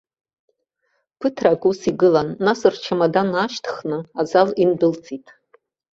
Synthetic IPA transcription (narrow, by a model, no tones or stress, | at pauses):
pʰɨtʰrakʼusiɡɨlanːasɨrt͡ʃʰamadanaʃtʰχnɨazalindɨlt͡sʼitʼ